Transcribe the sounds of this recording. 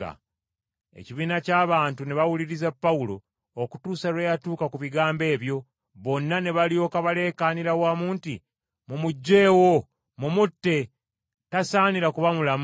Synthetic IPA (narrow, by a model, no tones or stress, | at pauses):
a̰ | e̞̰ciβiːnacaːβaːntuneβawuliɾizapːaulo̞̰ː | ku̥tuːsaɾwejatuːkakuβiɡaːmbe̞ːβjo̞ | βo̞nːane̞βalio̞ːkaβale̞ːkaniɾawaːmuːnti | mumuɟːe̞ːwo | mumutːe̞ | tasaːniɾakuβamulam